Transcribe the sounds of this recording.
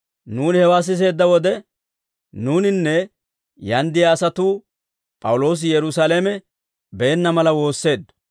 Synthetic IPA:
nuːnhɛwaːs̬ɪs̬e̞ːd̪ːɐwɔd̪ɛ | nuːnɪnːɛ | jɐnd̪ɪjaːsɐt̪uː | pʼɐwʊlo̞ːs̬ɪjɛɾʊsaːlemɛ | bɛɛnːɐmɐlɐwo̞ːsːe̞ːd̪ːɐ̥

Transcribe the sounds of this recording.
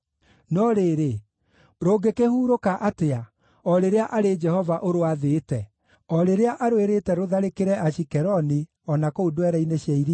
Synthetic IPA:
nɔɾeːɾe | ɾoɡekehuːɾokaʔatea | ɔɾeɾeaʔaɾed͡ʒɛhɔvaʔoɾoaðetɛ | ɔɾeɾeaʔaɾweɾetɛɾoðaɾekeɾɛʔaʃikɛɾɔni | ɔnakoodwɛɾɛineɕjaiɾi

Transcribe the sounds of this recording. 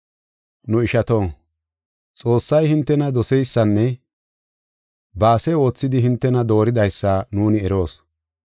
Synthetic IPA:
nʊɪʃɐt̪o̞ː | t͡sʼo̞ːsːɐjhɪnt̪ːɛnɐd̪ɔsɛjsːɐnːɛ | baːsɛo̞ːt͡sːɪd̪ɪhɪnt̪ːɛnɐd̪o̞ːɾɪd̪ɐjsːaːnuːnɪɛɾo̞ːs

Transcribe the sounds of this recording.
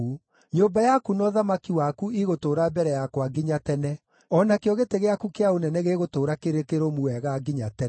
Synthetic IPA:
u | ɲoːmbajakunɔðamakiwakuiɣotoːɾabɛɾɛjakwaɡiɲatɛnɛ | ɔnakejɔɣeteɣeakukeaonɛnɛɣeɣotoːɾakeɾekeɾomuɛɣaɡiɲatɛ

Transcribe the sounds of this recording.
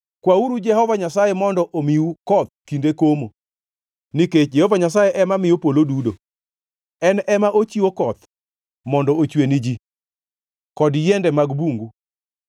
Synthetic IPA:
kwauɾud͡ʒɛɦɔvaɲasajemɔndɔʔomiukɔt̪̚kindekomo | niket͡ʃd͡ʒɛhɔvaɲas̬ajeʔɛmamɪjopolodudo | ɛnɛmaʔot͡ʃiwokɔt̪ | mɔndɔot͡ʃwenid͡ʒi | kɔdjɛndɛmaɡbuŋɡu

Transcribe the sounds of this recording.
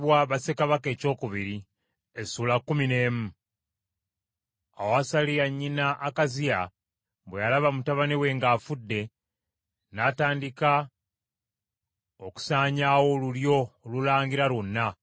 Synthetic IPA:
βwaβasekaβake̞ːco̞ːkuβiɾi | esuːlakːumine̞ːmu | a̰woasalijaɲːinaʔːkazija | βwejalaβamutaβanewe̞ŋɡaːfudːe̞ | nataːndika | oku̥saːɲawo̞luljo̞olulaːŋɡiɾalunːa

